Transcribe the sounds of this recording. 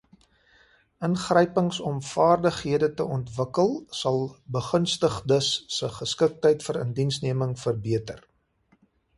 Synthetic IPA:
ʔənχrəjpəŋsɔmfɑːrdəχɦiədətəɔntvəkəlˠsɐlˠbəχənstəχdəsːəχəskək̚təjtfəɾə̰ndinsniəməŋfərbiətər

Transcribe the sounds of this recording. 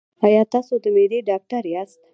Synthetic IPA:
ajɑt̪ɑsod̪əmed̪eɖɑk̚ʈaɾjast̪

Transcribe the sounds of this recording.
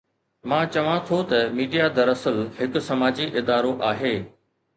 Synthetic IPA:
mãːt͡ɕɐʋãt̪ʰot̪ɐmiːɖijad̪ɐɾɐsəlɦɪkʊ̆sɐmaːd͡ʑiʔɪd̪aːɾoʔaːɦeː

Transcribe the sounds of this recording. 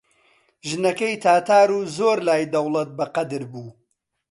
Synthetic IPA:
ʒɨnɐkɐjt̪ʰaːt̪ʰaːɾuːzoːɾlaːjd̪ɐwlˠɐt̪̚bɐqɐd̪ɨɾbuː

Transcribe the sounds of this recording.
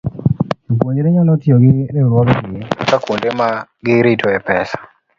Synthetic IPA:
opwoɲɾeɲɔnɔtɪɔɡɪɾɛuɾwɔɡɔkɪjeakakundemaɡɪɾitʰɔɛpɛsḁ

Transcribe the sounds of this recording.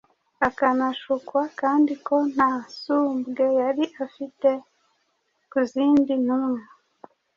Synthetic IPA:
akanaʃukwakaːndiko̞n̥hasuːmbɡe̞jaɾiʔafite | kuziːndin̥umŋa

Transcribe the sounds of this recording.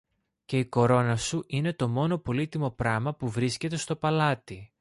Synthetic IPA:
ce̞iko̞ɾo̞nɐsuʔine̞t̪o̞mo̞no̞po̞lit̪imo̞pɾɐmɐpuvɾisce̞t̪e̞st̪o̞pɐlɐt̪i

